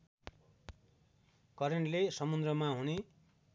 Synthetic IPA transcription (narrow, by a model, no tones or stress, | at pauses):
kʌɾeɳʈlesʌmund̪rʌmaɦune